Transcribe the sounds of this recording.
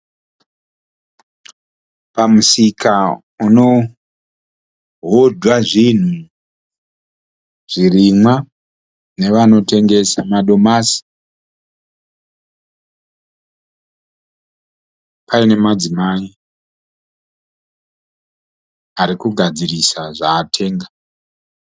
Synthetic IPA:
pamusika | uno̞ | ɦodʱwaʐin̤u | ʐ̥irimwa | ne̞ʋano̞te̞ŋɡe̞samaɗo̞masi̥ | paine̞mad͡zimai | aɾikuɡʱad͡zirisaʐaːtʰe̞ːŋɡa

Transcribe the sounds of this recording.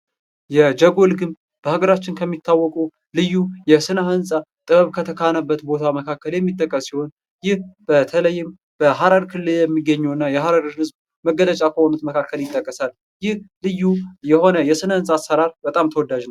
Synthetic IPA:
jɛd͡ʒəɡo̞lɡɨm | b̥əhaɡəɾat͡ʃːɪnkʰəmːit̪ʰːawːɔkʼu | lɨjːujɛsɨnahɨnsʼat̪ʼɨβəβkʰət̪ʰəkʰanəbːət̪bo̞t̪ʰaməkʰakːəljɛmːit̪ʼːəkʼːəsiho̞n | jɪhb̥ət̪ʰələjːɪm | b̥əɦaɾaɾkʰɨlːɨljɛmːiɡːəɲːɛwɨnːajɛɦaɾaɾɾhɨzb | məɡːələt͡ʃʼakʰəho̞nut̪məkʰakʰːəljɪt̪ʼːəkʼːəsal | jɪhlɨjːujɛho̞nəjɛsɨnahɨnsʼaːsːəɾaɾbət̪ʼamt̪ʰəwɔd̪ad͡ʒn

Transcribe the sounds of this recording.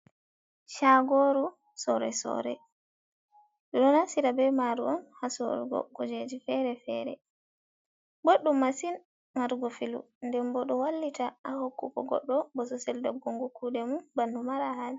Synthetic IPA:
ʃaɡoɾu | sɔɾɛ̰sɔ̰ɾɛ̰ | ɗɔɗɔnasiɾabɛmaɾuɔnhasɔ̰ɾuɡɔ̰kud͡ʒed͡ʒifɛɾɛfɛ̰ɾɛ̰ | boɗːumːasin | maɾuɡɔfilṵndɛmbɔɗɔwalːitaʔahokːukɔ̰ɡɔ̰ɗːɔbɔsɔsɛldɔɡːoŋɡukudɛmunbanːdumaɾahal

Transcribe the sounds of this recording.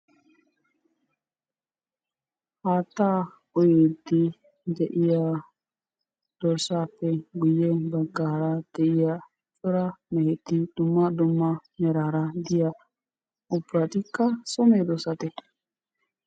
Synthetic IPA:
haːt̪ːa | ɔjed̪i | d̪ɛʔɪja | d̪̥ɔɾsaːpːɛɡʊjːɛbɐɡːaːɾad̪̥ɛʔɪja | t͡ʃʼɔɾamɛhɛt̪ːid̪̥ʊmːad̪ʊmːamɛɾaɾad̪ɪja | ɔbɾat̪ɪkːasɔmed̪ɔsat̪ɛt̪

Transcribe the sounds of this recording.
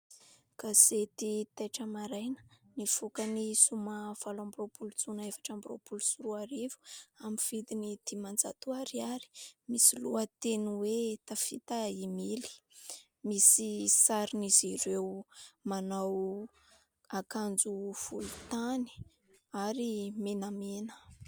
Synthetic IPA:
kaset̪it̪ejʈ͡ʂəmaɾajnə̥nifukənisumav̥alambiropʰulut͡sunaefḁʈ͡ʂambiro̰pulusuɾuaɾivu̥amifid̪inid̪̥imand͡za̰t̪uaɾiaɾi̥misiluət̪enuwet̪afit̪aimili̥ | misisaɾiniziɾewmanaw | akand͡zuv̥ulut̪ani̥ | aɾimenamenə̥

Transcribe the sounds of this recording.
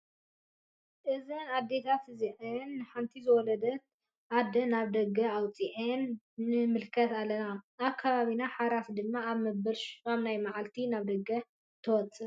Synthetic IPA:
ʔɨzɨnad̪ːe̞t̪ʰat̪ʰɨziʔɨnːɨħant̪ʰizɨwɔlɐd̪ɐt̪ | ʔad̪ɐnaβd̪ɐɡɐawt͡sʼiʔɨnː | ɨmɨlkʰɐt̪alːɐnaaβkʰːaβaβinaħaɾasd̪ɨmːaːβmɐbɐlʃkaβnajmaʕalt̪ʰinaβd̪ɐɡɐ | t̪ʰɨwɔt͡sʼːɨ

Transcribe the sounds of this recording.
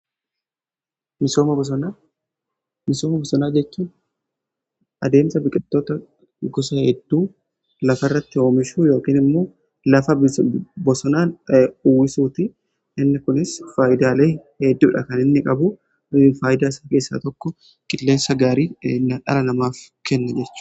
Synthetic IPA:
mɪso̞ːmɐbɔsɔnaː | mɪso̞ːmɐbɔsɔnaːd͡ʒɛt͡ʃːuːn | ʔɐd̪e̞ːmsɐbɪkʼɪt̪ːo̞ːt̪ɐ | ɡɔsɐhɛd̪ːuː | lɐfɐɪrːɐt̪ːɪo̞ːmɪʃuːjo̞ːkiːnɪmːo̞ː | lɐfɐbbɔsɔnaːnuːwɪsuːt̪ɪ | ʔɪnːɪkʊnɪsfaːʔɪd̪aːleːhɛd̪ːuːᶑɐkɐnɪnːɪkʼɐbʊ | faːʔɪd̪aːsake̞ːsːa̰ːt̪ɔkːɔ | kʼɪlːe̞ːnsɐɡaːɾiːnːɐᶑɐ̰lɐnɐmaːfkɛnːɐd͡ʒɛt͡ʃːʊ̥

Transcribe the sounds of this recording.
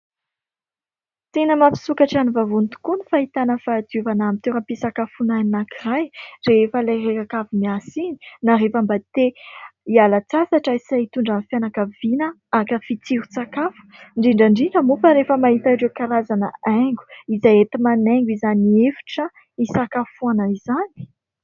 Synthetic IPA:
t̪enəmapi̥sukaʈ͡ʂanivavunt̪u̥kunifaɦit̪anəfaːd̪iuvanamit̪eɾəpisakafunaninakirajreefəlajrekakafumiasini̥naɾefambat̪eialat͡sasaʈ͡ʂəisait̪uɳɖ͡ʐanfjanakavinə | akəfit͡siɾut͡sakafu̥ɳɖ͡ʐiɳɖ͡ʐaɳɖ͡ʐiɳɖ͡ʐəmufaɾefəmaɦit̪aɖ͡ʐekaɾazanə̰aŋɡu̥izajet̪imaneŋɡizaniefi̥ʈ͡ʂə | isakafuanəizani̥

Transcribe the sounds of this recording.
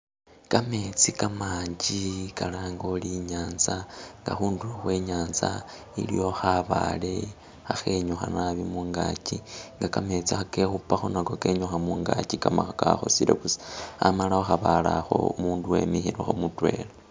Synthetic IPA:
kame̞t͡sikamaːɲd͡ʒikalaːŋɡo̞liɲaːnzaŋɡa̰xuːnduoxwe̞ːɲaːnza | ḭlḭjo̞xaβale̞ | xaxe̞ɲuxa̰naβimuːŋɡaciŋɡakame̞t͡sixake̞xupaxonako̞ke̞ɲuxamuːŋɡacikamaxakaxosiɾḛkusa̰malaxoxaβalaxo̞̰umuːnduwe̞̰mixiɾoxomutwe̞̰ːle

